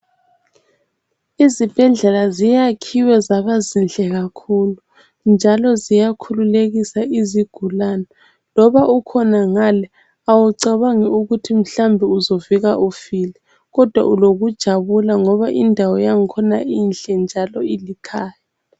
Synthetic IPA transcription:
izib̥ʱɛɮɛlazijakʰiwɛzaβazinɬʼɛɣakʰuːlu | nd͡ʒʱalɔzijakʰululeɣisaʔiziɡ̥ʱulana | lɔβaʔukʰɔnaŋalɛ | awuǀaβaŋɛuɣutʰim̩ɬambʱiuzoviɣaʔufilɛ | ɣɔd̥ʱwa̰ʔuloɣud̥ʒ̥ʱaβulaŋɔβaʔindʱawɔjaŋikʰɔnaiːnɬɛnd͡ʒʱalɔilikʰaːja

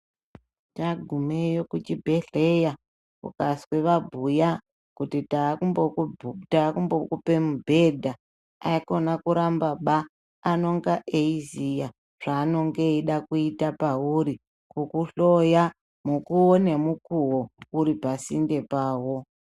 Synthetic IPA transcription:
taɡʱumejokut͡ʃibʱe̞ɮe̞ja | kṵkasweʋabʱuja | kutitaubotakumbokupe̞mubʱe̞dʱa | aiko̞nakuɾambaɓaː | no̞ŋɡaʔeizija | ʐ̥aːno̞ŋɡe̞iɗakuitapauɾi | kukuɬo̞ja | mukuone̞mukuwouɾipasinde̞paːwo̞

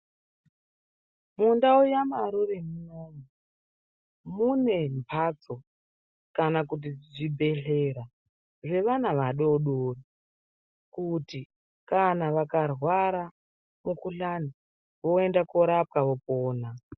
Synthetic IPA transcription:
mundaujamaɾurimunomu | mune̞mpʰat͡so̞ | kanakut̬iʐibʱe̞ɬeɾa | ʐe̞ʋanaʋaɗoɗori | kuti | kanaʋakarwaɾa | mukuɬani | ʋo̞endakoɾap̚kaʋo̞poːna

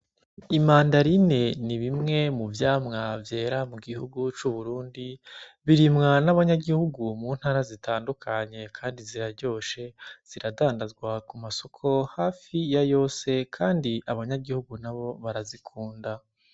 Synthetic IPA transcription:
imaːndaɾine̞niβimŋe̞muvjaːmŋavje̞ːɾamuɡihuɡut͡ʃuβuɾuːndiβiɾimŋanaβaɲaɡihuɡumuːn̥haːɾazitʰaːndukʰaɲe̞kʰaːndiziɾaɾɟo̞ːʃe̞z̥iɾadaːndazɡwakumaso̞kʰo̞haːfijajo̞ːse̞kʰaːndiʔaβaɲaɡihuɡunaβo̞βaɾazikʰuːnda

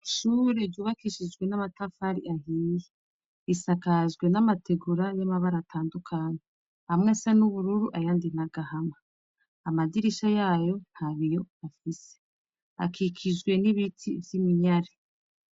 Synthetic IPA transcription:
ʃuːɾevjuːβakiʃid͡ʒɡwe̞namatafaɾiʔaɦije | isakaʒɡwe̞namatʰe̞ɡuɾajamaβaɾatʰaːndukʰaːɲe | hamŋe̞senuβuɾuɾuʔajaːndin̥aɡ̥ahamaː | madiɾiʃajaːjo̞nhaβijo̞afise̥ | a̰kʰikʰid͡ʒɡwe̞niβitʰivjimiɲaɾi

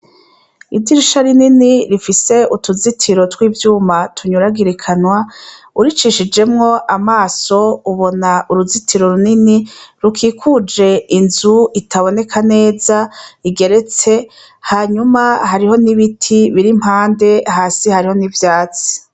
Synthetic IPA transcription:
idiɾiʃaɾininiɾifise̞utuzitʰiɾo̞twiːvjuːmatʰuɲuɾaɡiɾekʰanwa | uɾit͡ʃiʃid͡ʒe̞mŋo̞ʔamaːso̞uβo̞naʔuɾuzitʰiɾo̞ɾuniniɾukʰiːkʰud͡ʒe̞inzuitʰaβo̞ne̞kʰane̞ːzaiɡe̞ɾe̞t͡se̞ | haːɲumahaɾiho̞niβitʰiβiɾim̥haːnde̞ɦaːsihaɾiho̞nivjaːt͡si̥

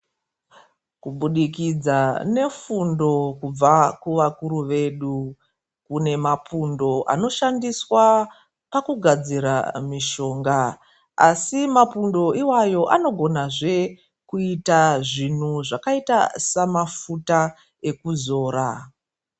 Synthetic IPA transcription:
kuɓuɗikid͡zane̞fundo̞kub͡vakuʋakuɾuʋe̞ɗu | kune̞mapʰundo̞ʔa̰no̞ʃandiswa | pakuɡʱad͡ziɾa̰miʃo̞ːŋɡaː | simapundo̞iwajo̞ʔano̞ɡʱo̞naʐe̞ | kuitaʐin̤uʐakaitasamafuta | e̞kuzo̞ːɾa

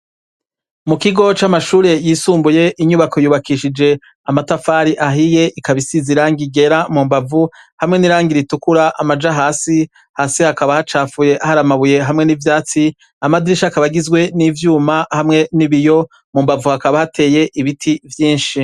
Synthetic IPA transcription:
mukiɡo̞t͡ʃamaʃuːɾe̞jiːsuːmbuje̞ʔiɲuβakʰo̞juːβakiʃid͡ʒe̞ | amatafaːɾiʔaɦije̞ʔikaβisiziɾaːŋɡiɡe̞ɾamuːmbavu | hamŋe̞niɾaːŋɡiɾitukuɾaʔamad͡ʒaɦaːsi | haːsihakaβahat͡ʃaːfuje̞ʔahaɾamaβuje̞ɦamŋe̞nivjaːt͡si | amadiɾiʃakaβaɡizɡwe̞nivjuːmahamŋe̞niβijo̞ | muːmbavuhakaβahatʰe̞ːje̞ʔiβitʰivjiːnʃi

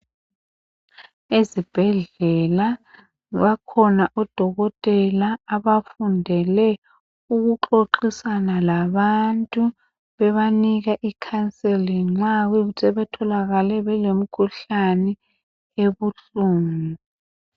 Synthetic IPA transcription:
ezib̥ʱɛɮɛla | ɣakʰɔnaʔɔd̥ʱɔɣɔtʼɛlaːβafundʱɛlɛ | uɣuǃoǃisanalaβantʼu | βɛβaniɣaʔikʰansʼeliŋ͡ǁaɣisʼɛβɛtʰɔlaɣalɛβɛlem̩kʰuɬanɛ | eβuɬuːnu

